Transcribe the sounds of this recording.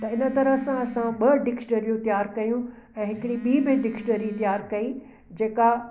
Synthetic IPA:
t̪ɐɪnə̆t̪ɐɾəsãɐsãɓɐɖɪkʈəɾjũt̪ɪjaːɾkɐjũ | ɛ̃ːɦɪkɪɽiɓiːbɪ̃ɖɪksʈəɾĩt̪ɪjaːɾkɐi | d͡ʑeːka

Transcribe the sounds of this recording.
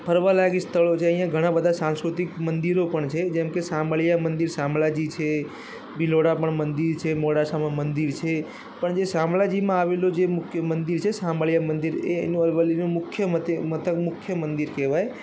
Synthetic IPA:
pʰəɾʋalaɡist̪ʰəɭot͡ʃʰeəɦĩjãɡʱəɽ̃ãbəd̪ʱasãnskɾut̪ikmənd̪iɾopəɳt͡ʃʰed͡ʒɛ̃mkesaməɭjamənd̪iɾsãmɭad͡ʒit͡ʃʰe | biloɽapəɳmənd̪iɾt͡ʃʰemoɽasamãmənd̪iɾt͡ʃʰe | pəɳd͡ʒesãmblad͡ʒimãaʋelod͡ʒemʊkʰjəmənd̪iɾt͡ʃʰesaməɭijamənd̪iɾḛənũəlʋəlːinũmʊkʰːjəmət̪mət̪əkmʊkʰːjəmənd̪iɾkeʋaj

